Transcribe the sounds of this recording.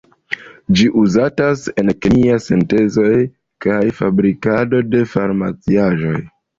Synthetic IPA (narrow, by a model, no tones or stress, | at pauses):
d͡ʒiʔuzatase̞nkeniasente̞zo̞j | kajfabɾikado̞de̞faɾma̰t͡siaʒo̞̰j